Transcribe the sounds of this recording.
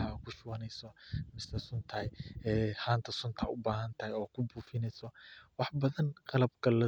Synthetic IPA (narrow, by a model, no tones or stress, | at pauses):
ɐkʰʊʃʊwɐnɛjsɔmɪsɐsʊnt̪ʰɐjɛːhaːnt̪ʰɐsʊnt̪ʰɐʔʊbaːɦɐnt̪ʰɐhajɔːkʰʊbuːfɪnɛjsɔwɑħbɐðɐnqɑlɐb̚kʰɐlɐ